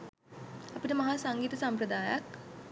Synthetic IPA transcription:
apiʈəmɐɦaːsaŋɡiːt̪əsampɾəd̪aːjak

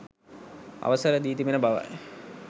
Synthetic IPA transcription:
a̰ʋəsəɾəd̪iːt̪imenəbaʋa̰j

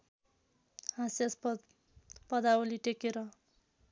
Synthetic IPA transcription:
hasjas | pʌd̪aoliʈekeɾʌ

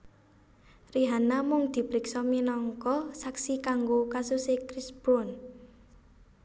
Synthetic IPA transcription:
riɦanamʊŋd̪̥i̤pɾiksɔminɔŋkɔsaksikaŋɡokasusekɾisb̥ɾɔn

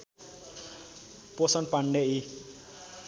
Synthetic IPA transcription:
posʌnpaɳɖei

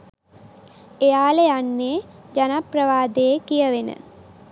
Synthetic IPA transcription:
ejaːlejanːed͡ʒanaprəʋaːd̪eekijəʋenə̰

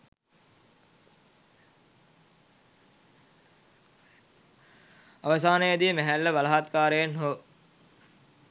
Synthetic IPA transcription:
aʋəsaːnəjəd̪ijəmæɦælːəʋɐlaɦat̪kaːɾəjenɦo

